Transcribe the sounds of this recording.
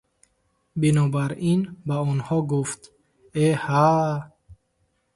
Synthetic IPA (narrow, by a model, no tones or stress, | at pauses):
binɔbaɾinbaɔnhɔɡuft̪ | eha